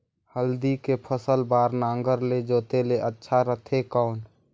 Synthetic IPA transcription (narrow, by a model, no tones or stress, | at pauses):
həld̪ikepʰəsəlbaːɾnaːŋɡəɾled͡ʒoːt̪eleʔətːʃʰaɾət̪ʰekaːn